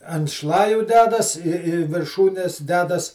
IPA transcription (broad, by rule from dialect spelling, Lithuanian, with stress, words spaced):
ɐnt ˈʃlˠɑːjʊ ˈdʲæːdɐs ɪr ɪ ʋʲɪrˈʃuːnʲɛs ˈdʲæːdɐs